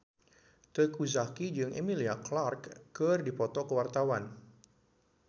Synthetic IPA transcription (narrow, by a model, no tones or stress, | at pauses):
t̪əkuzakid͡ʒɨŋʔemiliaklarkːərdipɔt̪ɔkəwart̪awan